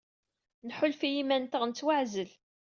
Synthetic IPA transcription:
nħʊlfijimænt̪əʁnt͡sːwaʕzəl

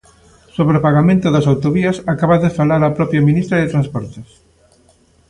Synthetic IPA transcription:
soβɾopaɣamẽnt̪ʊðɐsawt̪oβiɐsakaβaðɪfalaɾapɾɔpɾjɐminist̪ɾɐðet̪ɾanspɔɾt̪es

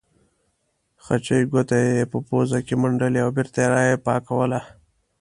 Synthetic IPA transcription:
xat͡ʃəjɡot̪ajeepəpozakemaɳɖəleawbeɾt̪ajeɾɑjepɑkawəla

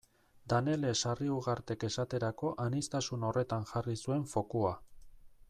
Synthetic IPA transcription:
d̪ane̞le̞sariuɣaɾt̪e̞ke̞sat̪e̞ɾako̞ʔanist̪asuno̞re̞t̪anʝarisue̞ɱfo̞kua

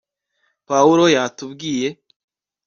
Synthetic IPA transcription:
pauɾo̞jatubɡiːje̞

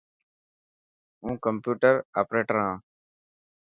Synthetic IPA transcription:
ũːkəmpjuːʈəɾaːpɾeːʈəɾɦãː

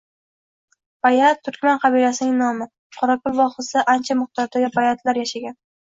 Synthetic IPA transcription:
b̥ajat̪t̪ʰːʊɾkʲmanqʰɑbilasɪnɪŋnɒmɪ | qʰɒɾakʰʊlˠvɒχɨsɪʔant͡ʃʰamʊχd̪ɒɾd̪aɡʲɪbajat̪ʰlaɾjaʃaɡʲan

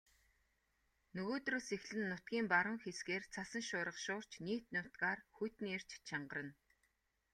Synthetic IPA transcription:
nɵɣoːt̪roːsexɮɘ̆nːʊt̪̚ɡʲiːmpaɾə̆ŋxesɡeːrt͡sʰasə̆ŋʃʊːɾə̆χʃʊːr̥t͡ɕniːt̪nʊt̪kaːrxujt̪niːer̥t͡ɕt͡ɕʰaɴɢə̆rə̆n

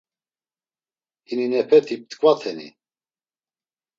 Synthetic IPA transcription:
hininɛpʰɛt̪ʰip̚t̪kʼvat̪ʰɛnḭ

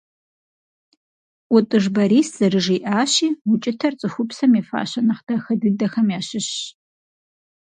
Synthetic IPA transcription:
ʔʊtʼɨʐbɐɾiːsz̥ɐrɨʐiːʔaːɕiːwʊt͡ʃʼɪtʰɐrt͡sʼɨxʷʊpsɐmeːfa̰ːɕɐnɐχd̥ɐxɐdɨdɐxɐmjaːɕɪɕ

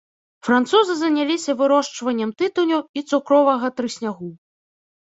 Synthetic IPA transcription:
fɾant̪suzɨzɐnʲalʲisʲɐvɨɾɔʂt͡ʂvɐnʲːɛmt̪ɨt̪unʲuit̪sukɾɔvɐɣɐt̪ɾɨsʲnʲaɣu

